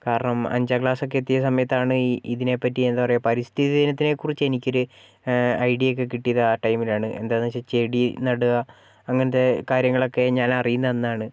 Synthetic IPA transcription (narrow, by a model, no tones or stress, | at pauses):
kaːɾɐɳɐmɐ̰ɲd͡ʑɐkɭaːso̞k̬ːet̪ːijɐsɐmɐjɐt̪ːaːɳɨiðine̞pːɐtːiend̪apɐrɐjɐpɐɾist̪ʰiðɐinɐt̪ːine̞kːurit͡ɕːenikʲːo̞ɾu | ɐjɖijo̞k̬ːe̞kiʈːijɐðɐaːʈɐjmilaːɳɨʔe̞̰nd̪aːðnt͡ɕːɐt͡ɕe̞ɽinɐɽuɣɐː | ŋːɐnɐðekaːɾjɐŋːɐɭo̞kːe̞ɲaːnɐrijunːɐnːaːɳɨ